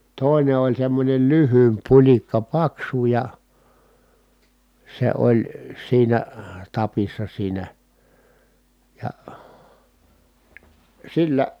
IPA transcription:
toˑine olʲ semːonʲen lyhyːmp pulʲikːɑ pɑksu jɑ se olʲ siːnæ tɑpisːɑ siːnæ jɑ silːæ

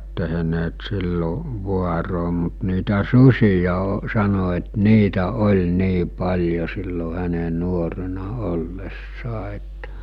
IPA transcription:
teɦĕneːt silːo ʋuɑroː mut niːtæ susʲijɑ o sɑno et niːtæ olʲ niː pɑlʲjo silːo hæne nuorenɑ olːesːɑː etːæ̥

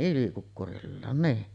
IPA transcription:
ʔylikukːurilːɑːn niː

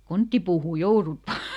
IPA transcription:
kontːiːpuːhuˑ jourut ʋɑː

